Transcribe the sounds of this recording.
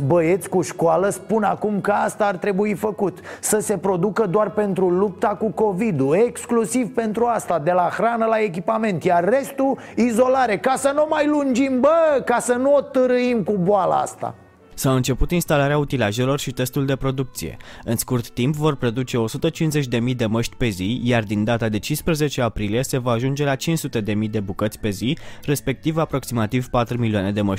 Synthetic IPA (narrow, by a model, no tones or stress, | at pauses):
bəje̞t̪sʲkuʃkoaləspunakumkəast̪aːrt̪ɾe̞buifəkut̪səse̞pɾo̞d̪ukəd̪oarpe̞nt̪ɾulup̚t̪akuko̞vid̪ue̞ksklusivpe̞nt̪ɾuast̪ad̪e̞laxɾanəlae̞k̬ʲipame̞nt̪jarːe̞st̪u | izo̞laɾe̞kasənomajlund͡ʒimbəkasənuot̪ɨɾɨimkuboala̰a̰st̪a̰ | sawɨnt͡ʃe̞put̪inst̪alaɾeaut̪ilaʒe̞lo̞rʃit̪e̞st̪uld̪e̞pɾo̞d̪uk̚t̪sije̞̰ɨnskurt̪ːimpvo̞rpɾed̪ut͡ʃe̞o̞sut̪ət͡ʃinze̞t͡ʃʲd̪e̞mijd̪e̞məʃt̪ʲpe̞zijard̪ind̪at̪ad̪e̞t͡ʃinspɾəze̞t͡ʃe̞apɾilije̞se̞vaːʒund͡ʒe̞lat͡ʃinssut̪e̞d̪e̞mijd̪e̞bukət̪sʲpe̞zire̞spe̞k̚t̪ivapɾo̞ksimat̪ivpat̪ɾumiliane̞d̪e̞məʃ